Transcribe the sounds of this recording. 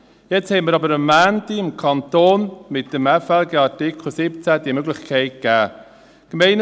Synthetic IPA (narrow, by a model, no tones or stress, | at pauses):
jɛt͡shɛməɾɑbəɾəmːæːntiɪmkʰɑnt̪oːnmɪt̚d̥əmɛfɛlɡeɑtɪkʰl̩sɪpt͡sæd̥̪iəmøɡlɪχkʰɛɪt̚kæː | kmɛɪn